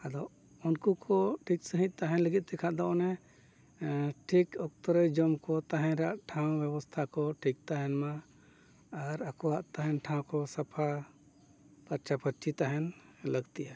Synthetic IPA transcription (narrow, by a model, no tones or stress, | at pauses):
ad̪ɔ | unkukʰɔʈʰik̚səɦĩt̪̚ˀt̪aɦɛ̃nləɡit̪̚ˀd̪ɛkʰaʔd̪ɔʔɔnɛ | ʈʰikɔk̚t̪ɔɾəd͡ʒɔmkɔt̪aɦɛ̃ɾaʔʈʰãw̃bjɛbɔst̪ʰakɔʈʰik̚t̪aɦɛnmaː | ɾakɔwaʔt̪aɦɛ̃nʈʰãw̃kɔsapʰa | pəɾt͡ʃapəɾt͡ʃʰit̪aɦɛn | ləɡt̪iʔa